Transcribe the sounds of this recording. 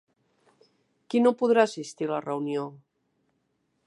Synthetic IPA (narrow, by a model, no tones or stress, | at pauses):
kinopuðɾaəsist̪ilərəunjo